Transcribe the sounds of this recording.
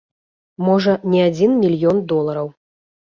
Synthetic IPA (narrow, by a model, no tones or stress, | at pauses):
mɔʐɐnʲɛad͡zʲinmʲilʲjɔnd̪ɔlˠɐɾɐw